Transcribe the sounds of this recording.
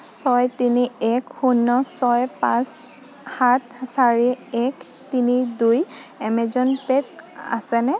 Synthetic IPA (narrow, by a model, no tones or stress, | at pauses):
sɔjtiniɛkxunːɔsɔjpãs | hatsaɹiɛk | tinidujɛmɛzɔnpet̚a̰sɛnɛ